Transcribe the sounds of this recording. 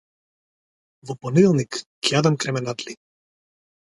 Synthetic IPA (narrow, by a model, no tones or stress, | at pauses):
vɔpɔnilˠnik | kʲad̪amkɾɛmɛnat̪li